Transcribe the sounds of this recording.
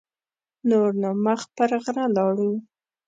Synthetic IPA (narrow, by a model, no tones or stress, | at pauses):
noɾnɑmaxpəɾɣɾalɑɽu